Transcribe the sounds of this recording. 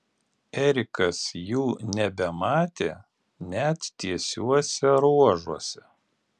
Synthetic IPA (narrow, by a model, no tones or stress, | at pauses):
ɛɾʲɪkɐsjuːnʲɛbʲɛmɑːt̪ʲeː | nʲɛt̪t̪ːʲiɛsʲuɔsʲɛɾuɔʒuɔsʲɛ